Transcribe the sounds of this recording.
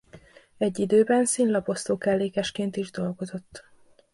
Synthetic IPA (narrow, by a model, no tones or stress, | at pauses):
ɛɟːid̪øːbɛnsinlɒpo̞st̪oːkɛlːeːkɛʃkeːnt̪iʒd̪o̞lɡo̞zo̞t̪ː